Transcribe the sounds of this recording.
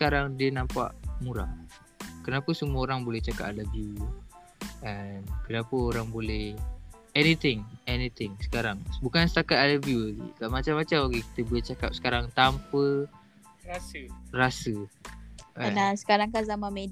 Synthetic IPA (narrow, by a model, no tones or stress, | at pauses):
sə̥kaɾaŋdiənãmpa̰ʔmuɾa̰h | kənapəsəmuaoɾaŋbolɛht͡ʃaka̰p̚ləbju | ʔankənapəoɾaŋbolɛh | ɛnit̪ɪŋɛnit̪ɪŋsə̥kaɾaŋbukansə̥t̪akat̪̚aləbijulaɡḭkaʔmat͡ʃamːat͡ʃamaɡiki̥t̪əbolɛht͡ʃakap̚sə̥kaɾaŋt̪ampə | asərasə | ʔanasə̥kaɾaŋkazamãnmed